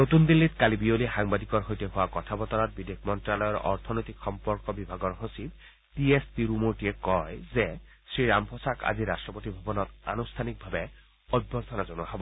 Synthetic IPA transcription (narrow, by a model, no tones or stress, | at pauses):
not̪und̪ilːitkalibiolixaŋbadikɔɹɦojteɦʊwakɔtʰabɔt̪ɔɾɔt̚bidekmɔntɹalɔjɔɹɔ̰ɹt̪ʰɔnojt̪ikxɔmpɔɹkɔbibʱaɡɔɹɦosib | tiespiɾumoɹtiɛkɔjzɛsɹiɾampʰɔsaka̰ziɾa̰stɹɔpot̪ibʱabɔnɔt̪a̰nust̪ʰanik̚bʱabɛ | ɔd̚bʱɔɾt̪ʰɔnazonuwaɦɔbɔ